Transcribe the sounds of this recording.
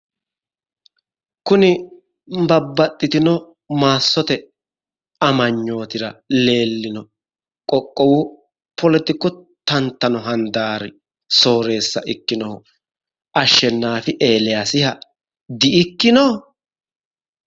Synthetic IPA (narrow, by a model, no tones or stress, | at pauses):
kʊnɪ | bɐbːɐt̪ʼːɪt̪ɪnɔ | maːsːɔt̪ɛ | ɐmɐɲːo̞ːt̪ɪɾɐle̞ːlːɪnɔ | kʼɔkʼːɔwʊ | pɔlɛt̪ɪkːɔ | t̪ɐnt̪ːɐnɔɦɐnd̪aːɾɪ | so̞ːɾe̞ːsːɐ̰ʔɪkːɪnɔhʊ | ɐʃːɛnːaːfɪʔe̞ːlɪjasɪhɐ | d̪ɪʔɪkːɪnɔ